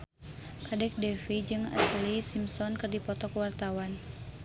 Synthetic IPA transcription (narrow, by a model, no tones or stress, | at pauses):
kadɛk̚dɛfid͡ʒɨŋa̰slisimsɔnkɨrdipɔt̪ɔkwart̪awan